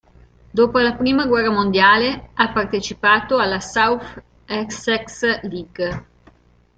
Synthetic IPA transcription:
d̪oːpoalapɾiːmaɡwɛrːamond̪jaːleapart̪et͡ʃipaːt̪oalːasawt | ɛksɛksliɡ

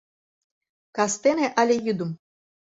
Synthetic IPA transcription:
kast̪eneʔalʲejɨd̪um

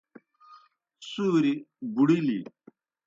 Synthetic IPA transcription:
suːɾibuɽilḭ

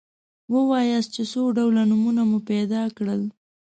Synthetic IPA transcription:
wəwɑjas̚t͡ʃesoɖawlanumunamupɛd̪ɑkɽəl

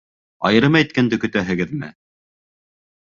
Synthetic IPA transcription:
ɑ̰jɤ̆ɾɤmæjt̪̚kænd̪ɘkɵ̆t̪æɦɘ̆ɡɘðmɘ̰

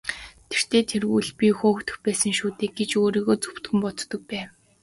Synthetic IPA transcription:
t̪ʰer̥t̪ʰeːt̪ʰerɣuːɮpʲixoːxt̪ɵ̆xpæːsə̆ŋʃuːt̪eːk̚ɡet͡ɕoːɾiːɣoːt͡su̥pt̪ɡɘ̆mpɔt̪t̪ːɞ̆k̚pæːw

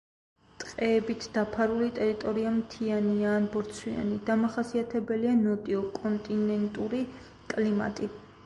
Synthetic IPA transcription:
t̪ʼqʼɛːbit̪ʰd̪̥apʰaɾulit̪ʼɛɾit̪ʼɔɾiamt̪ʰianiaːnbɔɾt̪sʰwia̰nid̪amaχasiat̪ʰɛbɛlianɔt̪ʼiɔkʼɔnt̪ʼinɛnt̪ʼuɾi | kʼlima̰t̪ʼi

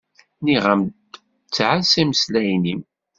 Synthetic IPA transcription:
niʁəmd | t͡sːʕasiməslæjnim

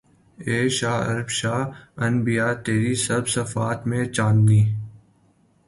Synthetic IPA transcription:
eːʃaːɐ̰ɾbʃaːɐnbijaːt̪eːɾisɐɾbsɐfaːt̪mẽːt͡ʃãːnd̪niː

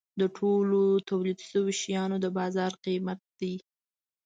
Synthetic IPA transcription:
d̪əʈʰolot̪awlid̪ʃəwoʃjɑnod̪əbɑzɑɾqimat̪̚d̪i

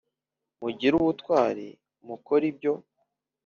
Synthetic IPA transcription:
muɟiɾuβutwaːɾḛ | mukoɾib̚ɟo̞

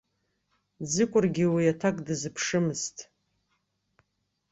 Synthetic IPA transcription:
d͡zɨkʷʼʊrɡʲiwiatʰakʼdɨzɨpʰʂɨmɨztʼ

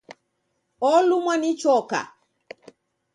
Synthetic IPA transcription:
ɔlumwanit͡ʃɔka̰

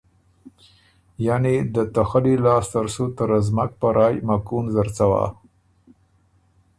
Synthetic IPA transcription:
janed̪ət̪axalilɑst̪aɾsut̪əɾazmak̚pəɾʔɑjmakunzaɾt͡sawa̰

